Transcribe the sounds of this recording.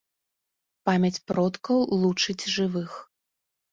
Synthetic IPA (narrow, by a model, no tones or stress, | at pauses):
pamʲɐt͡sʲpɾɔt̪kɐwlˠut͡ʂɨd͡zʲʐɨvɨx